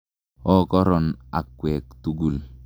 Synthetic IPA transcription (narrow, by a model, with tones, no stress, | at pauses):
ɔ˦kɔ˦ɾɔ˨na˨kːwɛ˨k̚tu˦ɡu˨l